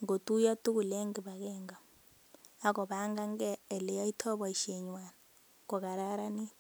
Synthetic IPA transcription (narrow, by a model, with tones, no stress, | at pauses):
ŋɡo˨tu˦jɔ˦tu˦ku˨lɛ˦ŋɡi˨βa˨kɛŋɡa˨ | a˦kɔ˨βa˦ŋɡa˦ŋ˦ɡɛː˦˨lɛ˦jɔ˦i˦tʰɔ˦βɔ˨i˨ʃɛ˨ɲwa˨na | kɔ˨ka˨ɾa˦ɾa˦ni˦t